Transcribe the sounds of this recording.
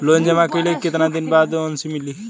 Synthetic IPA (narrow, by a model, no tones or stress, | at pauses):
lond͡ʒemãkələkit̪nad̪inbad̪onsimili